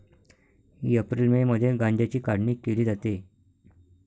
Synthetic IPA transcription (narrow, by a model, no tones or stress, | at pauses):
hḭːəpɾilmeməd̪ʱjeɡãɲd͡ʑjat͡ɕiːkaɽɳiːkeliːd͡zat̪e